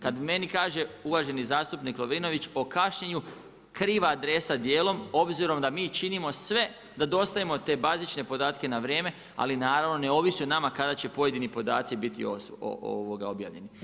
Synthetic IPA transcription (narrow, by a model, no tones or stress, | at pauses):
kad̪me̞nikaːʒe̞uʋaʒe̞nizaːst̪upniklˠoʋino̞ʋit͡ɕo̞kaʃɲeɲu | kɾiːʋaːd̪ɾe̞sad̪je̞ːlo̞mo̞bziɾo̞md̪amiːt͡ʃinimo̞sʋe̞ | d̪ad̪o̞st̪ajimo̞t̪e̞ːbazit͡ʃne̞po̞d̪aːt̪ke̞naʋɾje̞ːme̞ | a̰linaːɾaʋno̞ne̞o̞ʋisjunamakad̪at͡ɕe̞po̞jed̪inipo̞d̪aːt̪sibit̪ḭo̰o̰o̰ʋo̞ɡao̞bja̰ːʋʎe̞̰ni